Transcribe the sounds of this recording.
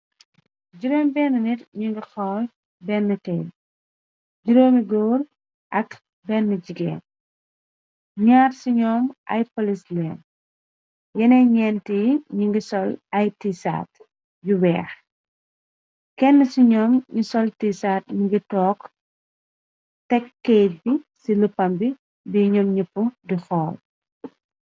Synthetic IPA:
d͡ʒuɾoːmbɛːnːənitɲuŋɡixɔː | bɛnːətɛj | d͡ʒuɾoːmiɡɔːɾ | ʔɐk | bɛnːəɟiɡɛ̰ːn | ɲaːɾsiɲɔːmʔɐ̰jpolislɛːn | jɛnɛɲɛntiɲiŋɡisɔlɐjtisa̰t | juwɛːx | kɛnːəsiɲɔːmɲisɔltisatɲiŋɡitɔːk | tɛkːɛjt̚bisiləpːɐmbi | biɲɔːmɲəpːudixɔːl

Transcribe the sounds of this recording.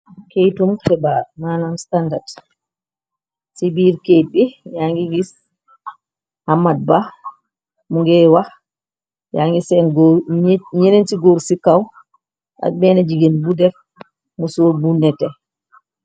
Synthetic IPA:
kejtumtɛbaɾnaːnamstandad | sibiɾkejɓijaŋɡiwis | hamːad̚ba | muŋɡɛwa | jaŋɡisɛ | ɲenentiɡoɾsikaw | ʔa̰ɓɛnɛd͡ʒiɡɛnbudɛf | musoɾbunːɛtɛ

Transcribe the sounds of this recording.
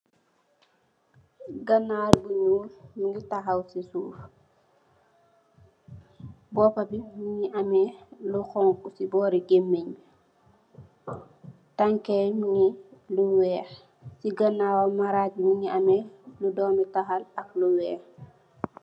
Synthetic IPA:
ɡɐnaɾbuɲuːlmiŋitɐxɐwsisuːf | bɔːpɐbimiŋiʔɐmɛluxɔŋkusibɔːɾiɡemːeɲ | taŋkɛjmiŋiluwɛːx | siɡɐnawomaɾak̚imiŋiʔɐmɛludɔːmitaxalɐkluwɛːx

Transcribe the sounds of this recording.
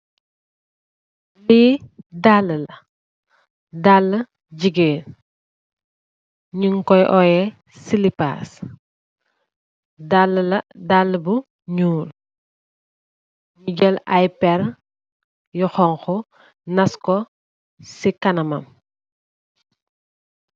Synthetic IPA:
liːdalːəlɐ | dalːə | ɟiɡeːn | ɲuŋkɔjʔɔjɛ | silipa̰ːs | dalːəlɐdalːəbu | ɲuːl | ɲuɟɛlajpɛɾ | juxɔŋxɔ | nɐskɔ | sikɐnɐmɐ̰m

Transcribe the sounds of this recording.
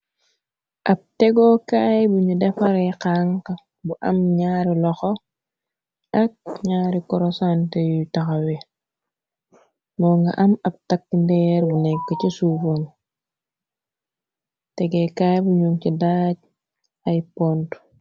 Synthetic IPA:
ʔap̚tɛɡokajbuɲudefaɾɛkaŋka | buʔɐ̰mɲaːɾilɔxo | ak̚ɲaːɾikɔɾosantejutaxawi | mɔŋɡa̰ʔamab̚takːndɛɾbunɛkːɔcisufoŋ | tɛɡekajbuɲuŋcidaɟ̚ | ajpont

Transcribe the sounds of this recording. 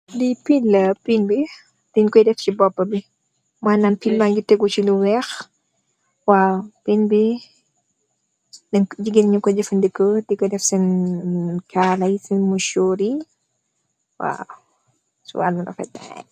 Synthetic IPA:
dipiləpinbi | d̥inkɔjdɛft͡ʃibɔpːɐbi | mananpilmanɟutɛɡut͡ʃiluwɛx | wawpinbi | dɛd͡ʒiɡinɲukɔdɛfɐndikədikɔdɛfsin | kalɐjsinmuʃoːɾi | wa̰ | sṵwalmɐnɔ̰fɛ̰ta̰n

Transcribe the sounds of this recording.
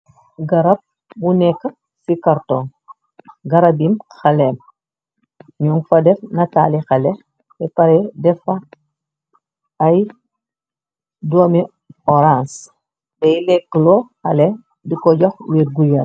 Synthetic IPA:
ɡɐɾɐb̚ | bunɛkː | sikaɾtɔŋ | ɡɐɾɐbimxɐlɛm | ɲɔŋfɐdɛfnɐta̰ːlixɐlɛ | ɛpɐɾɛdɛfɐ | ɐj | doːmi | ɔɾãns | dɛjlɛkːlɔxɐlɛ | dikɔɟɔxwiːɾɡujɐ

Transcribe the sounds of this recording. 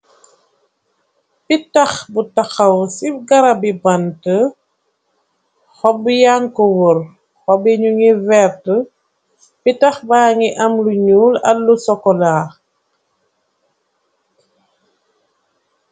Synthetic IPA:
bitɐxbutaxɐwsifɡaɾabibantə | hɔbujaŋkɔwuɾ | hɔbiɲuŋivɛɾtə | bitaxbaŋiʔɐmluɲuːlɐ̰lusɔkɔlaː

